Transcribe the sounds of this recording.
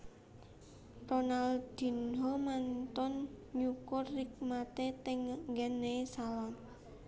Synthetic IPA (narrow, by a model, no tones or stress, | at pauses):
ronald̪̥i̤nɦomant̪ɔnɲukʊrːik̚mat̪et̪ɛŋŋɡɛnesalɔn